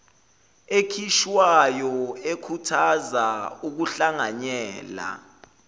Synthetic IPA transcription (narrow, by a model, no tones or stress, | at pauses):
ekʰiʃwajɔekʰutʰazauk̬uɬaŋaɲɛːla̰